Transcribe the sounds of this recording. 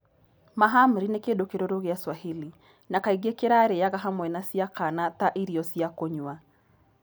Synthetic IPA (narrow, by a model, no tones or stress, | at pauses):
maɦamuɾinekendokeɾoɾoɣeaswaheli | nakaiɣekeɾaɾeaɣaɦamwɛnasjakanataʔiɾiɔsjakoɲwa